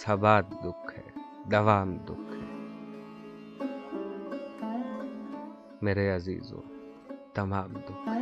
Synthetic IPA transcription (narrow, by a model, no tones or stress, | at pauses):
sɐbaːd̪d̪ʊkʰːɛ̰ | d̪ɐʋaːmd̪ʊkʰːɛ | mɛɾɛjazḭːzɔ̰ | d̪̥ɐmaːmd̪ʊ